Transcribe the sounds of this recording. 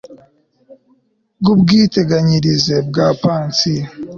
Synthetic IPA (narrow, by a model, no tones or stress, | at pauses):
ɡubɡiːte̞ɡaɲiɾizebɡaːpaːnt͡si